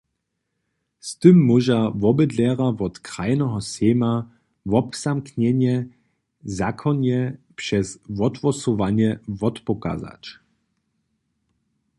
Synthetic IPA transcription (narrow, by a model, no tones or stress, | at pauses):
st̪ɨmːɔʒavɔbɛd̪lɛʁavɔt̪kʁajnɔɦɔsɛːma | vɔpz̥amkɲɛɲjɛ | zakʰɔnɛpʂɛsvɔt̪vɔsɔvaɲjɛvɔt̪pɔka̰za̰t͡ʃ